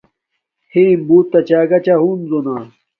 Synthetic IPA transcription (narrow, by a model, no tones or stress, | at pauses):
hʰembuːt̪ːɐt͡ɕaːɡɐt͡ɕaɦuːnzona